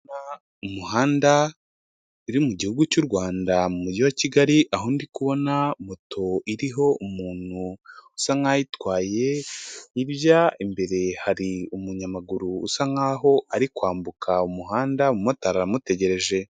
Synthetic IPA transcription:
na | umuhaːnda | iɾimuɟihuɡucuɾɡwaːndamumuɟiwaciɡaɾiʔaɦondikuβo̞namotʰo̞iɾiɦo̞umuːn̥huusaŋajitwaːje̞iβjaimbe̞ɾe̞haɾiumuɲamaɡuɾuːsaŋaːɦo̞aɾikwaːmbukʰaumuɦaːndaumotaɾaɾamute̞ɟe̞ɾe̞ʒe̞

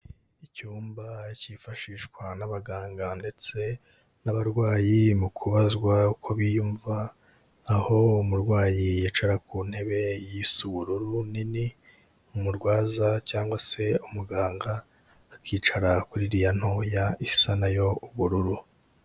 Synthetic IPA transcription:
icuːmbacifaʃiːʃkwanaβaɡaːŋɡande̞t͡se̞ | naβaɾɡwaːjimukʰuβazɡwaukʰo̞βijuːɱvaː | ho̞umuɾɡwaːjijeːt͡ʃaɾakuːn̥he̞βe̞jisuβuɾuɾunini | umuɾɡwaːzacaːŋɡwase̞umuɡaːŋɡaː | kʰiːt͡ʃaɾakuɾiɾijan̥hojaisanajo̞uβuɾuɾu

